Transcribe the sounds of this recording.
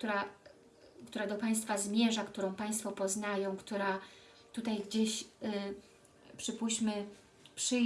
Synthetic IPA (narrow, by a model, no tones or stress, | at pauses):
t̪uɾa | kt̪uɾad̪ɔpaj̃st̪fazmʲjɛʐakt̪uɾɔ̃w̃paj̃st̪fɔpɔznajɔ̃w̃kt̪uɾa | t̪ut̪ajɡd͡ʑeɕ | pʂɘpuɕmɘ | pʂɘ